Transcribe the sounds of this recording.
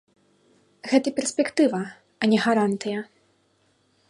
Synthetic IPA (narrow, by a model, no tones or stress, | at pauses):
ɣɛt̪ɐpʲɛrsʲpʲɛkt̪ɨvɐ | ɐnʲɛɣaɾant̪ɨjɐ